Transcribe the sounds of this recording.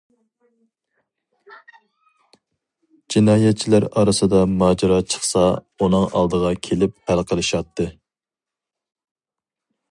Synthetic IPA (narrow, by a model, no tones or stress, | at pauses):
d͡ʒinɑːjɛt̪̚t͡ʃʰilæɾɑɾɨsɨd̪ɑmɑːd͡ʒɑɾɑt͡ʃʰə̥χsɑ | unɨŋʔɑ̰lˠd̪əʁɑkʲʰelɪp̚hælqʰəlˠɨʃɑt̪ːɨ